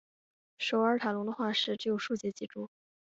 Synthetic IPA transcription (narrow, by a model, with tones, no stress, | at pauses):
ʂo˨˩ʊə˞˥t̪ʰa˨˩lʊ˧˥ŋd̪ə˧xwa˥˧ʂɻ̩˥˩ʈ͡ʂɻ̩˧˥jo˨˩ʊʂu˥˧t͡ɕjɛ˥˩t͡ɕi˧˥˩ʈ͡ʂu˥˩